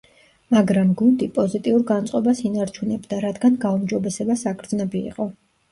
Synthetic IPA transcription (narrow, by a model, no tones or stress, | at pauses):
maɡɾamɡund̪ipʼɔzit̪ʼiuɾɡant̪sʼqʼɔbasinaɾt͡ʃʰunɛbd̪aɾad̪ɡanɡaumd͡ʒɔbɛsɛbasakʰɾd̪znɛbḭːqʼɔ